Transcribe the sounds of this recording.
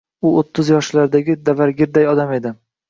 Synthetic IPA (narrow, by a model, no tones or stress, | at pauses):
ʊot̪ʰːʊzjɒʃlaɾd̪aɡʲɪd̪avaɾɡʲɪɾd̪ajɒd̪ame̞d̪ɪ